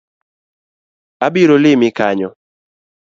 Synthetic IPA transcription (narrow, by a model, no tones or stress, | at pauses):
abɪɾolɪmɪkaɲɔ